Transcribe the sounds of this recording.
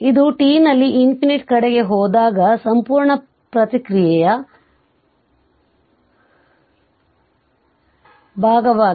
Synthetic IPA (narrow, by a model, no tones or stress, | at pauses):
id̪uʈiːnɐlːiʔimpineʈkɐɽeɡe̞ɦɔːd̪aːɡɐsɐmpuːɾɳɐ | pɾɐt̪ikɾijɛjɐ | bʱaːɡɐʋaː